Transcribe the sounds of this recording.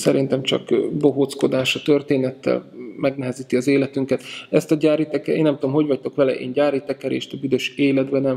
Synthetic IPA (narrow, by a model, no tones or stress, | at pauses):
sɛɾint̪ɛmt͡ʃɒ̰kbo̞ɦot̪sko̞d̪aːʃɒt̪ø̞rt̪eːnɛt̪ːɛ̰lmɛɡnɛɦɛziːt̪iɒzeːlɛt̪yŋkɛt̪ɛst̪ɒɟaːɾit̪ɛkɛeːnːɛmt̪uomɦo̞ɟvɒc̚t̪o̞kʋɛlɛʔḛːɲɟaːɾit̪ɛkɛɾḛːʃt̪ɒbyd̪ø̞ʃeːlɛd̪bɛnɛm